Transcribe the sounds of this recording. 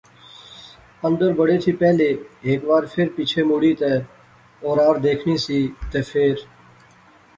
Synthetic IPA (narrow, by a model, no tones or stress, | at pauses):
ə̃nd̪əɾbəɽeːt̪ʰiːpɛːleːeːkbaːɾpʰɪɾpiːt͡ʃʰeːmuːɽiːt̪eː | ɔːɾaːɾd̪eːkʰniːsiːt̪eːpʰɪːɾ